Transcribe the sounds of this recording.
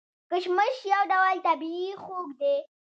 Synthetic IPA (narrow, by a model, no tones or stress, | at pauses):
kəʃməʃjawɖawalt̪abiixoɡd̪e